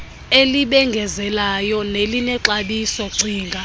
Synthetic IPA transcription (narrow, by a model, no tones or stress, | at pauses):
eliɓɛŋɡʱɛzɛlajɔnelinɛǁaɓisɔǀiːŋɡʱa